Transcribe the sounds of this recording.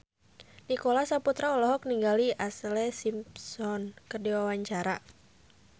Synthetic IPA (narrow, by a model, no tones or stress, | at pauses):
nikolasaput̪ɾaɔlɔɦɔk̚niŋɡaliʔaslɛsimpsɔnkərdiwawaɲt͡ʃaɾa